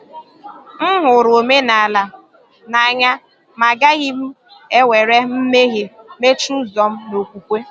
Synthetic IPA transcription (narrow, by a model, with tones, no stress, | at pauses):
m̩˦ɦʊ˨ɾo˨me˦na˨a˨la˨ | na˨a˨ɲa˦ | ma˨ɡa˦ɣi˦m̩˦ | e˦we˨ɾe˦m̩˦me˦ɣe˨ | me˦t͡ʃu˦zɔ˨m̩˦no˨kʷu˨kʷe˦